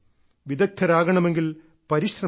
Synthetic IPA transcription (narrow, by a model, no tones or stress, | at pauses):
ʋid̪ɐk̚t̪ʰːɐɾaːɡɐɳɐme̞ŋɡil | pɐɾiɕrɐ